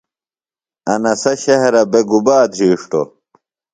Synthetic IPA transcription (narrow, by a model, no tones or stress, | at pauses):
ɐnɐsɐɕɐɦɾɐbeɡubaːd̪ɾiːʂʈo̰